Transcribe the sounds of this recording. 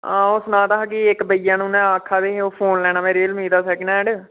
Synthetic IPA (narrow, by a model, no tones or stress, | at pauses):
ãːʊsnãːt̪aɦkiɪkbəijãːnũːnɛ̃ːaːkʰːaːʋeːeoːpʰoːnlɛːnaːmeːɾeːlmiːd̪aːsɛːkːnɛ̃ːɖe